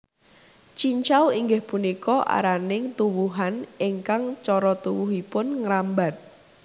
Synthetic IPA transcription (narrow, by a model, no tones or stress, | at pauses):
t͡ʃiɲt͡ʃawiŋɡɪhpunikɔʔa̰ɾanɪŋt̪uwuɦanɪŋkaŋt͡ʃɔɾɔt̪uwuɦipʊnŋɾambat̪̚